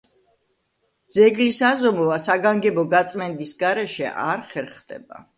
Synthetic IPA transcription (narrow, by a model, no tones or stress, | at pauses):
d̪z̥ɛɡlisazɔmɔvasaɡaŋɡɛbɔɡat̪sʼmɛnd̪isɡaɾɛʃɛ̰ʔa̰ɾχɛɾχd̪ɛ̰ba̰